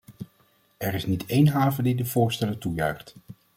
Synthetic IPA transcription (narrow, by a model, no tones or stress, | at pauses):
ɛɹɪsnitejnɦaːvədidəv̥ʊːɹstɛlətujœ̰ɥχt